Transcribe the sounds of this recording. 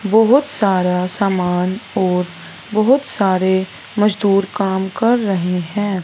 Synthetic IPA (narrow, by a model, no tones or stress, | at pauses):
bɔɦʊt̪saːɾasaːmaːnɔːɾ | bɐɦʊt̪saːɾe | mɐd͡ʒd̪uːɾkaːmkɐɾːɐɦeɦɛ̃ː